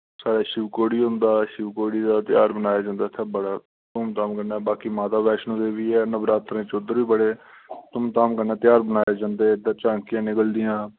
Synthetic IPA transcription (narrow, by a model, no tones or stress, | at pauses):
saːɽaːʃɪʋkoːɽiːɦʊ̃nd̪aːʃɪʋkoːɽiːd̪aːt̪ɪjaːɾbənaːjaːd͡ʒãːnd̪aːt̪ʰːaːbəɽaː | t̪ʊmt̪aːmkəɾnaːbaːkiːmaːt̪aːbɛːʃnõːd̪eːʋiːɛːnəbɾaːt̪ːəɾẽːt͡ʃoːd̪əɾʋiːbəɽeː | t̪ʊmt̪aːmkəɾnaːt̪ɪjaːɾbənaːjaːd͡ʒãːnd̪eːd̪əːt͡ʃãːŋkɪjãːnɪkəld̪ɪjãː